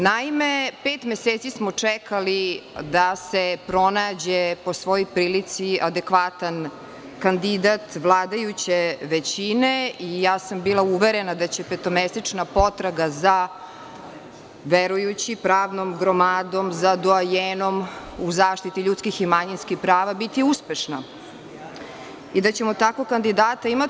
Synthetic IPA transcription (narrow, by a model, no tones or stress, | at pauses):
naimepeːt̪meseːt̪sismot͡ʂɛkalid̪asepɾo̞naːd͡ʑepo̞sʋo̞jojpɾiːlit̪siad̪ekʋat̪an | kand̪id̪at̪ʋlˠaːd̪ajut͡ɕeʋet͡ɕineijaːsambiːlˠauʋeɾenad̪at͡ɕepet̪omest̪ɾit͡ʂnapo̞t̪ɾaɡaza | ʋeɾujut͡ɕipɾaːʋnomɡɾomaːd̪o̞mzad̪oajeːnom | uzaːʃt̪it̪iʎut̪skiximaɲinskixpɾaːʋabit̪iuspeʃna | id̪at͡ɕe̞mot̪akokand̪id̪aːt̪aima